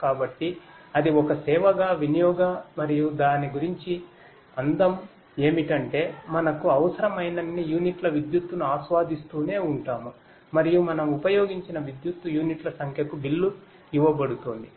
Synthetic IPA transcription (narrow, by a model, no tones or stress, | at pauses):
kaːbɐʈːiɐd̪iɔkɐsɛːʋɐɡaːʋinijɔːɡamɐɾijud̪aːniɡuɾiɲt͡ʃi | ɐnd̪ɐm | e̞ːmiʈɐɳʈe̞ːmɐnɐkuɐʋɐsɐɾɐmɐjnɐnːijuːniʈlɐʋid̪jut̪ːunuaːsʋaːd̪ist̪uːne̞ːuɳʈaːmu | mɐɾijumɐnɐmupɐjo̞ːɡiɲt͡ʃinɐʋid̪jut̪ːujuːniʈlɐsɐŋkʰjɐkubilːu | iʋɐbɐɽut̪oːnd̪i